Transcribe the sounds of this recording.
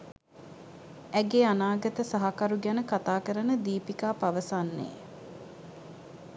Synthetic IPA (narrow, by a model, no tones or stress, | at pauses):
æɡeanaːɡət̪əsaɦakaɾuɡænəkat̪aːkəɾənəd̪iːpikaːpaʋəsanːḛː